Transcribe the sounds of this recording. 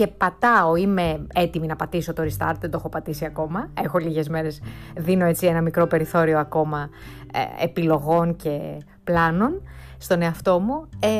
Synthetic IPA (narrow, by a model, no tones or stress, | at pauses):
e̞pɐt̪ɐoime̞et̪iminɐpɐt̪iso̞t̪oɾist̪ɐ̰ɾt̪ðend̪o̞xo̞pɐt̪isiɐko̞mɐe̞xo̞liʝe̞zme̞ɾe̞sðino̞e̞t͡sie̞nɐmikɾo̞pe̞ɾiθo̞ɾio̞ɐko̞mɐ̰ | ḛpilo̞ɣo̞nce̞ | plɐno̞n | st̪o̞ne̞ɐft̪o̞mue